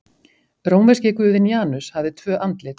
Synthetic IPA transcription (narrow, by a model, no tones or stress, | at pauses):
ɾoːwnvɛscɪkvʏːðɪnjaːnʏshavðɪt̪ʰvœːʔant̪lɪ